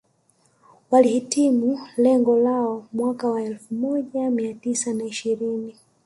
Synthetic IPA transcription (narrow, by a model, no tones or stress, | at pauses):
walihitimulɛŋɡɔlaɔmwakawaɛlfumɔʄamiatisanaiʃiɾini